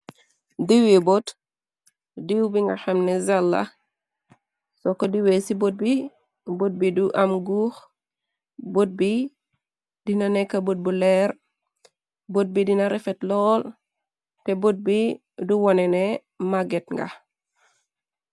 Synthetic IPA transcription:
diwibot | diwbiŋɡaxamnezalːa̰ | sokodiwesibot̚bi | bot̚biduʔamɡuːx | bot̚bi | dinanɛkːabot̚bulɛɾ | bot̚bidinaɾʔɛfɛtlɔːl | tebot̚bi | duwɔnɛne | maɡetŋɡa̰

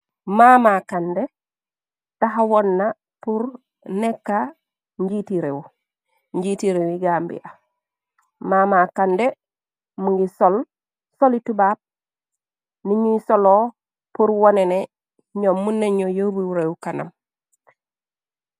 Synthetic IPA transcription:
maːmakande | taɦawɔnːa | puɾ | nekːa | ɲɟitiɾewu | ɲɟitiɾewiɡaːmbḭʔa | maːmakande | muŋɡisol | solitubap̚ | niɲisolo | puɾwonene | ɲomːunːeɲojobiwuɾewukana̰m

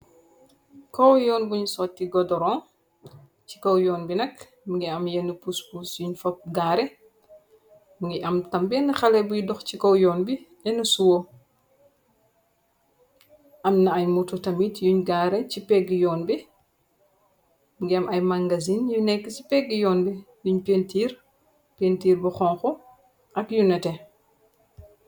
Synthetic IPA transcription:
kɔwjɔːnbuɲsɔtːiɡɔdɔɾɔn | ci̥kɔwjɔːnbinɐk | miŋɡiɐmjɛnəpuspusjuɲfɔp̚ɡaɾɛ | miŋɡiʔɐmtɐmbɛnəxɐlɛbujudɔxcikɔwjɔːnbi | ɛnusuwɔ | ʔɐmnɐːjmutɔtɐmitjuɲɡaːɾɛcipɛɡːijɔːnbi | ŋɡiɐmʔɐjmaŋɡazinjunɛkːəsipɛɡːijɔːnbi | juɲpentiːɾ | pentiːɾbɐxɔŋxɔ | ʔɐkjunɐtɛ

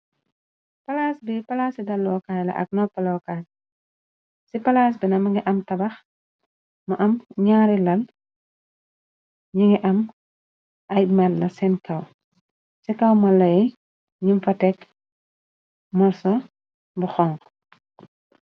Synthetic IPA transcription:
pɐlaːsbipɐlaːsidɐlːɔkajlɐ̰ʔɐ̰k̚nɔpːɐlɔkaːl | sipɐlaːs̬binɐmɐŋɡiʔɐmtɐbɐx | mɐʔɐmɲaːɾilɐl | ɲiŋɡiʔɐm | ɐmalːɐsɛnkɐw | sikɐwmɐlːɐjɛ | ɲimfɐtɛk | mɐɾsɔ | buxɔŋk

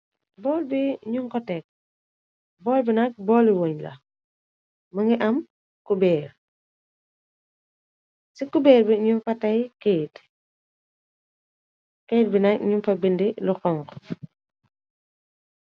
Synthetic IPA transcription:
bɔːlbiɲuŋkɔtɛk̚ | bɔːlbinɐk̚bɔːliwoɲlɐ̰ | mɐŋiʔɐm | kubɛːr | sikubɛːrbiɲumfɐtɐjkejt | kɛjt̚binɐkɲumfɐbindiluqɔŋk

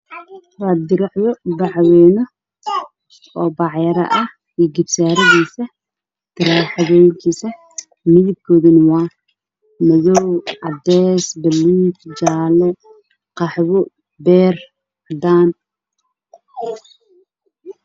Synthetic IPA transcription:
waːd̪ɪɾɑħjɔbɑʕwɛːnɔ | ɔːbɑʕjɐɾɐ̰ʔɐh | iɡɪbsaːɾɐðiːsɐ | t̪ɪɾaːħɑβɛwkʰiːsɐ | mɪðɪb̚kʰɔːðɐnwɑː | mɐðɔwɑd̪ɛːsbɐlːiːnt̪d͡ʒaːlɛ | qɑħβʊ | bɛːr | d̪aːn

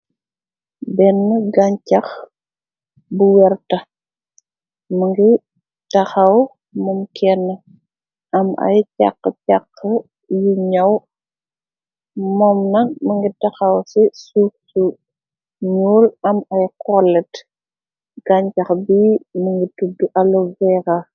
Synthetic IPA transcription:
bɛnːəɡaɲcɐx | buwɛrtɐ | məŋɡi | tɐxɐw | mɔmkɛnːə | ʔɐmɐ̰jca̰qːəcaqʰːə | juɲɐw | mɔmnɐnmɐŋɡitɐxɐwsisuːxsu | ɲuːlɐmɐjqɔlɛt | ɡaɲcɐxbiməŋɡituduʔɐlɔvɛːkɐ

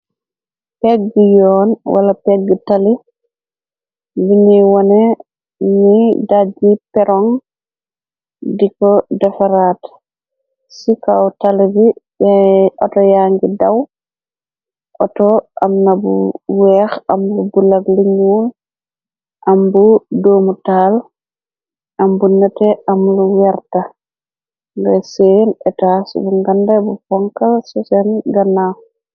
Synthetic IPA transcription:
pɛk̚ɡijɔːnwʔa̰lɐpɛk̚ɡitali | wiɲiwɔnɛ | nidaɡipɛɾɔŋ | dikɔdɛfaɾat | sikawtalibi | jʔɔtɔjaŋɡidaw | ʔɔtɔʔamnabṵwɛxamlubulaɡliɲuːn | ʔambudoːmutaːl | ʔambunɛtɛamluwɛɾta | ŋɡasenɛtasbuŋɡandabupɔŋkasusɛnɡana

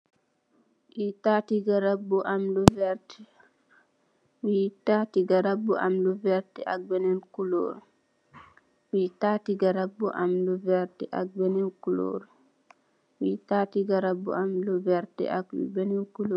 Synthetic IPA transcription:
ʔitatiɡaɾabːɔʔamluvɛɾtɛ | witatiɡaɾabːɔʔamluvɛɾtɛ̰ʔa̰k̚bɛnɛnkulo̰ːɾ | witaːtiɡaɾabːɔ̰ʔamluvɛɾtɛʔa̰k̚bɛnɛnkulo̰ːɾ | witatiɡaɾabːɔ̰amluvɛɾtɛ̰ʔa̰kḭbɛnɛnkulo

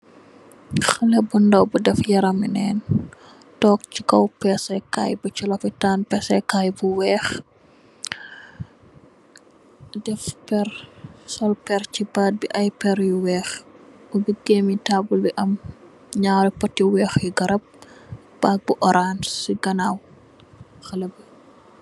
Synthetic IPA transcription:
xɐlɛbundɐwbudɛfjɐɾɐminɛːn | tɔːk̚t͡ʃikɔwpɛsɛka̰jbut͡ʃilɔpitaːnpɛsɛkajbuwɛːx | dɛfpɛɾsɔlpɛɾt͡ʃibat̚biʔɐjpɛɾjuwɛːxubiɡɛmitaːbulbiʔɐm | ɲaːɾipɐtːiwɛːxjiɡɐɾɐp̚ | b̥aːk̚buʔɔɾʔaːnssiɡɐnaw | xɐlɐbə

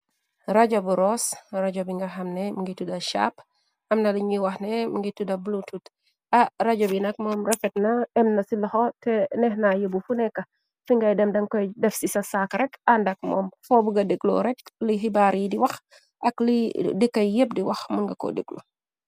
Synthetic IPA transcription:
ɾɐɟobuɾɔsrɐɟobiŋɡɐɦɐmnɛmuŋɡitudɐʃa̰p | ɐmnɐliɲiwɐxnɛmuŋɡitudɐblutut | ɐɾɐɟobinɐk̚mɔːmɾɛfɛtnɐɛmnɐsilɐxotɛnɛhnajəbufunɛkːɐ | fiŋɡɐjdɛmdɐŋkɔjdɛfsisɐsakɾɛkandɐk̚mɔ̰ːmfɔbuɡɐdəɡlṵɾɛkliɦibaɾidiwɐx | ʔɐklidikːɐjjep̚diwɐxmuŋɡɐko̰dḛɡlṵ

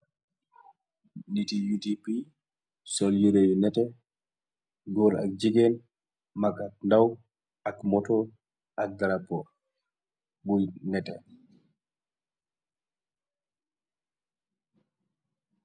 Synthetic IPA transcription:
nitijutipi | sɔljiɾejnɛtɛ | ɡɔɾa̰k̚d͡ʒiɡɛn | makat̚ndaw | akmɔtɔ | ak̚ɡaɾapːɔɾ | bujnɛtɛ

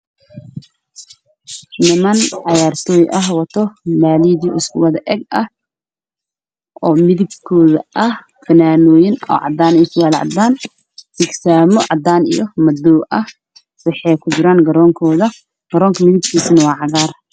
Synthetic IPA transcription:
nɪmɐnʕɑjaːrt̪ʰɔːjʔɐɦwɐt̪ʰɔmaːliːðiːʔɪskʊwɐðɐʔɛɡɐh | ʔɔːmɪðɪb̚kʰɔːðɐ̰ʔɐh | fɐnaːnɔːjɪnɔ̰ːʕɑ̰d̪aːnijsʊwaːðʕɑ̰d̪aːn | sɪɡsaːmɔʕɑd̪aːnḭjɔmɐd̪ɔːʔɐh | wɑħɑjkʰʊd͡ʒɪɾaːŋɡɐɾɔŋkʰɔːðɐ | ɡɐɾɔːŋkʰɐmɪðɪb̚kʰiːsɪnɐwɑːʕɑɣaːr

